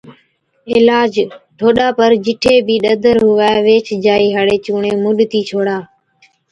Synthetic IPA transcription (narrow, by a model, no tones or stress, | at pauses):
ɪlaːd͡ʒʈʰoːɗaːpəɾd͡ʒɪʈʰeːbʱiːɗəd̪ʱəɾɦʊʋaːʋeːt͡ʃd͡ʒaːiːɦaɽeːt͡ʃuːɳeːmʊɗt̪iːt͡ʃʰoːɽaː